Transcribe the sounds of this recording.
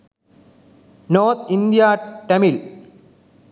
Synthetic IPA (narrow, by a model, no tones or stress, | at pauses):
noːɾt̪ʰind̪ijaʈɐmil